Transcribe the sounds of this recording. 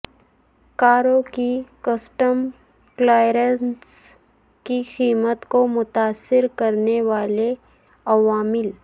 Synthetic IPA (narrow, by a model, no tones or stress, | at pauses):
kaːɾõkikəsʈəm | klaːjɾəns | kixiːmət̪komʊt̪aːsːɪɾkɐɾneʋaːle | ɐʋaːmɪl